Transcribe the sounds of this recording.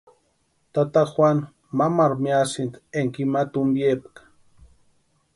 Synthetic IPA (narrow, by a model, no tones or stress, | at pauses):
t̪at̪axwʷan | mamaɾmiasint̪eŋkimat̪umbjepkḁ